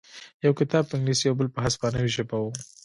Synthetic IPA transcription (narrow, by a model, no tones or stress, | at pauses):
jawkɪt̪ɑb̚pɪ̃ŋɡlisjawbəlpəɦaspɑnəwiʒapawu